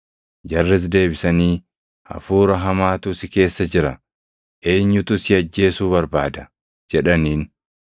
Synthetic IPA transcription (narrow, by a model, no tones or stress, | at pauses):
d͡ʒɐrːɪs̬d̪e̞ːbɪsɐniː | ɐ̰fuːɾɐɦɐmaːt̪ʊsɪke̞ːsːɐd͡ʒɪɾɐ | ʔe̞ːɲːʊt̪ʊsɪɐd͡ʒːe̞ːsuːbɐɾbaːd̪ɐ | d͡ʒɛᶑɐniːn